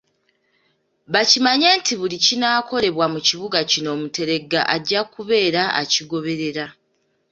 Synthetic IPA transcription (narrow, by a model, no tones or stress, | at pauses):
βacimaɲe̞ːntiβulicinaːkʰo̞le̞βwamuciβuɡacino̞ːmute̞ɾe̞ɡːa̰ʔaɟːakuβe̞ːɾaa̰ciɡo̞βe̞ɾe̞ɾa